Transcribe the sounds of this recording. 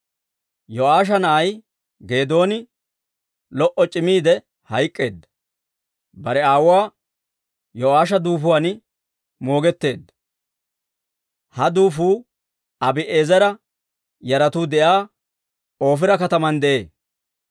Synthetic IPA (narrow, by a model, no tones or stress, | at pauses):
jɔaːʃ̬ɐnɐɐj | ɡe̞ːd̪o̞ːnɪ | lɔʔɔt͡ʃʼɪmiːd̪ɛ | hɐjkʼːe̞ːd̪ːɐ̥ | bɐɾɛaːwwaː | jɔaːʃɐd̪uːfʊwanɪ | mo̞ːɡɛt̪ːe̞ːd̪ːɐ̥ | hɐd̪uːfuː | ɐbɪʔeːzɐɾɐ | jɐɾɐt̪uːd̪ɛʔaː | o̞ːfɪɾɐkɐt̪ɐmɐnd̪ɛʔe̞ː